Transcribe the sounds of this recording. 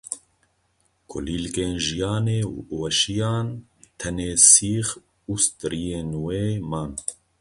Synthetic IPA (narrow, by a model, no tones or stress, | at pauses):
kʰɔ̰liːlkeːnʒijɑːneːwɛʃijɑːnt̪ʰɛneːsiːx | ust̪ɾijeːnweːmɑːn